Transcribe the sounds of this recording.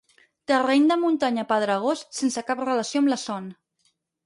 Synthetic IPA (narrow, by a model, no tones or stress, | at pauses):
t̪ərend̪əmunt̪aɲəpaðɾəɣossensəkaprələsioəmləsɔn